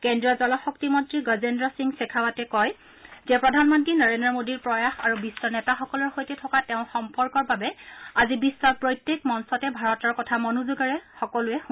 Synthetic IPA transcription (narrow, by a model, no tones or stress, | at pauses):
kendɹiɔzɔlɔxɔktimɔntɹiɡɔzendɹɔsiŋsɛkʰawatɛkɔj | zɛpɹɔdʱanmɔntinɔɹendɔmodiɹpɹɔjaxaɹubisːɔnɛtaxɔkɔlɔɹxojtɛtʰɔkatɛʊ̃xɔmpɔɹkɔɹbabɛazibisːɔɹpɹojtːekmɔnsɔtɛbʱaɹɔtɔɹkɔtʰamɔnuzuɡaɹɛxɔkɔlʊɛx